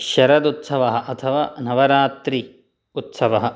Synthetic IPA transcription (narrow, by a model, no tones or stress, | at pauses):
ʃɐɾɐd̪ut̪sɐʋɐɦɐ̆ʔɐt̪ʰɐʋa̰ːnɐʋɐɾaːt̪ɾi | ut̪sɐʋɐɦɐ̆